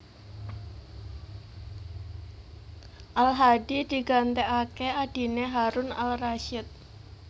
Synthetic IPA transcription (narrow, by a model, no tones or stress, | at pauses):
ʔalɦaɖid̥i̤ɡant̪ɛʔakead̥i̤neɦaɾʊna̰lraʃɪt̪̚